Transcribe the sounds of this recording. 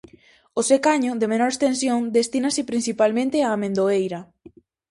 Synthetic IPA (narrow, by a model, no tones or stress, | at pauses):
osekaɲʊðemenoɾest̪ensjoŋd̪est̪inasɪpɾinθipalmẽnt̪eaːmẽnd̪oejɾa